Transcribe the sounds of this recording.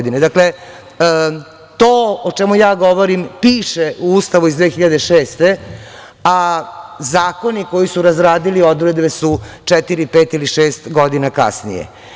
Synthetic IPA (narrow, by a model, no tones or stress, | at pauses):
d̪ined̪akle̞ | t̪oːot͡ʃemujaːɡo̞ʋo̞ɾimpiːʃeʔuust̪aʋuizd̪ʋeːxiʎad̪eʃeːst̪e̞ | azaːko̞niko̞jisuɾazɾaːd̪ilio̞d̪uɾed̪besut͡ʂɛt̪iɾipeːt̪iliʃeːst̪ɡod̪inaka̰snḭjḛ